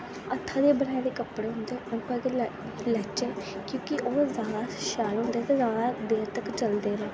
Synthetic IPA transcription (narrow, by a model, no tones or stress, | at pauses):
ət̪ʰːãːd̪eːbənaːed̪eːkəpːɽeːɦʊ̃nd̪eːʊnpaɡe | lɛːt͡ʃeːkjõːkɪʔoːzaːd̪aːʃaːlɦõːnd̪eːt̪eːzaːd̪ad̪eːɾt̪əkt͡ʃəld̪eːɾɛ̃ː